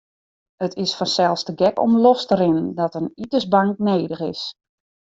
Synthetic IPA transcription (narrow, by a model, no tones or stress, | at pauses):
ətɪsfɔnsɛlˠstəɡɛkɔ̰mlostəɾɪnəndɔtənitəsbaŋkneːdəxɪ̰s